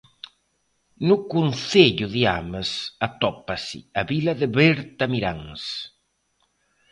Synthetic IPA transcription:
nʊkunθeʎʊðiamesat̪ɔpasḭaβilaðeβeɾt̪amiɾaŋs

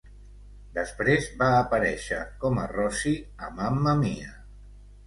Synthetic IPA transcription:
d̪əspɾezbaːpəɾɛʃə̰kɔmə̰rɔsiəmamːəmeə

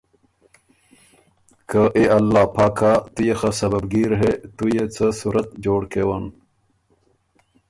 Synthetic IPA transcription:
kəʔeɐlːaːpʰaːkʰaːt̪ujexasɐbɐbɡiːɾɦet̪ujet͡səsuɾɐt̪̚d͡ʑoːɽkewan

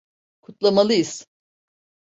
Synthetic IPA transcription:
kʰut̪lˠamalˠɯjiz̥

